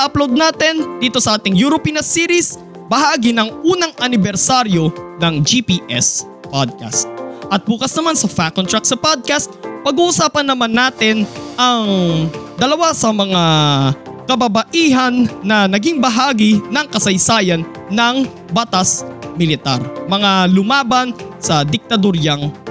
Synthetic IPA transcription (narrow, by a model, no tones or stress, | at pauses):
ʔʔɐplowd̪̚naːt̪ɛnd̪iːt̪o̞sɐʔaːt̪ɪŋjuɾopiːnɐsiːɾis | bɐɦaːɡinɐŋʔuːnɐŋʔɐnɪbɛɾsaɾjo̞nɐŋd͡ʒipiːʔɛs | pad̪̚ka̰st̪̚ʔɐt̪̚buːkɐsnɐmansɐfakːont̪ɹak̚sɐpad̪̚kast̪̚pɐɡuːʔʊsaːpɐnːɐmanːaːt̪ɪnʔɐŋd̪ɐlɐwasɐmɐŋa | kɐbɐbɐʔiːɦɐnːɐnɐɡiŋbɐɦaːɡinɐŋkɐsɐjsaːjɐnː | ɐŋ | bat̪asmɪlɪt̪a̰ɾmɐŋalʊmaːbɐnsɐd̪ɪk̚t̪ɐd̪oɾjɐŋ